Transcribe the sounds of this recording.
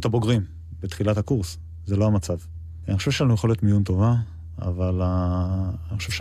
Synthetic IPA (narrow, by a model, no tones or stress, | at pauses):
t̪abo̞ɡʁim | bet̪χilat̪akuʁs | zelo̞amat͡sav | aniχoʃeʃelanujeχo̞let̪mijunt̪o̞va | a̰vala | nixχoʃevʃe